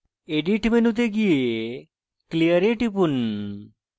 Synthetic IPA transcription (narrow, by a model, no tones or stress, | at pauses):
eɖiʈmenut̪̬eɡie | klijəɾeʈipun